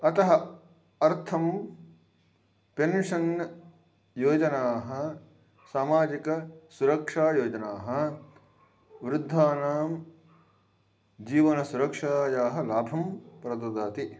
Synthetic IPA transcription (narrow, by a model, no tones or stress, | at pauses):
ɐt̪ɐɦɐ | ɐɾt̪ʰɐm | penʂɐn | joːd͡ʒɐnaːɦɐ̆ | saːmaːd͡ʒikɐsuɾɐkʂaːjoːd͡ʒɐnaːɦɐ̆ | ʋɾɪd̪ʱːaːnaːm | d͡ʒiːʋɐnɐsuɾɐkʂaːjaːɦɐlaːbʱɐmpɾɐd̪ɐd̪aːt̪i